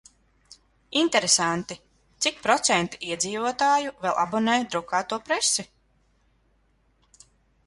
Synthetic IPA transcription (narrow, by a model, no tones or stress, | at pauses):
int̪ɛɾesant̪i | t̪sik̚pɾɔt̪sɛnt̪i̥ʔiɛd̪ziːvuɔt̪aːjuvɛlˠʔa̰bɔnɛːjd̪ɾukaːt̪uɔpɾɛsi